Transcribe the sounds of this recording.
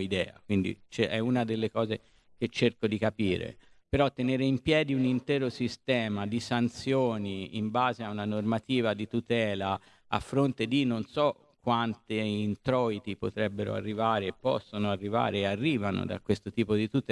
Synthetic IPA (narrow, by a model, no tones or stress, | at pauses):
id̪ɛːa̰kwind̪ḭt͡ʃɛʔɛunad̪elːekɔːze | k̟et͡ʃːerkod̪ikapiːɾḛ | peɾɔt̪ːeneːɾeimpjɛːd̪iunint̪ɛːɾosist̪ɛːmad̪isant̪sjoːniḭmbaːzeaunanormat̪iːvad̪it̪ut̪ɛːla | a̰fːɾont̪ed̪inːonsɔ | kːwant̪eint̪ɾɔit̪ipot̪ɾɛbːeɾo̰a̰rːivaːɾeːpːɔ̰sːonoarːiva̰ːɾeːarːiːvano̰d̪a̰kwest̪ot̪iːpod̪it̪ut̪ɛ